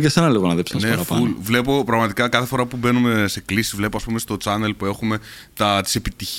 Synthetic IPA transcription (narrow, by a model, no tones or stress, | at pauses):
cesenɐleɣonɐðepsnneɾɐfɐulvle̞po̞pɾɐɣmɐt̪ikɐkɐθe̞fo̞ɾɐpube̞nume̞se̞klisi̥zvle̞poɐspume̞st̪o̞t͡sɐne̞lpue̞xume̞ | t̪ɐt̪i̥se̞pit̪iç